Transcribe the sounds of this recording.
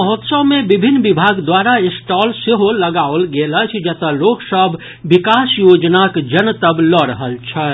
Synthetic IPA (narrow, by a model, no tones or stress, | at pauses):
əɦot̪səwmẽbɪbʱɪnːʋɪbʱaːɡd̪waːɾaɪsʈɔːlseɦoːəɡaːolɡeːlət͡ʃʰd͡ʒət̪əloːksəbʱː | ɪkaːsjoːd͡ʒnakd͡ʒənt̪əblɔːɾəɦəlt͡ʃʰɛ